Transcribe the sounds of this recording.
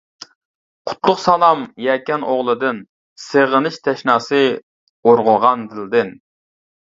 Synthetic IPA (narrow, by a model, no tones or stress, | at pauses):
qʰʊ̥t̪lˠʊqsɑlˠɑmjɛkʲɛnoʁlˠɨd̪ɨn | seʁənɨʃt̪ʰɛʃnɑːsɨ | oɾʁʊʁɑnd̪ɨld̪ɨn